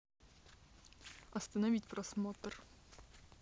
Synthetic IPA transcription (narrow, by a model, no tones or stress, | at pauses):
ɐst̪ənɐvʲit̪ʲprɔsmoːt̪r